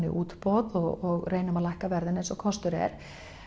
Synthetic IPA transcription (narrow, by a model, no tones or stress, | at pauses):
nɪ̰ʔuːt̪pɔðɔɔɣreːjnʏmalajhkavɛɾðɪnejnsɔkʰɔst̪ʏɾɛ̰ɾ̥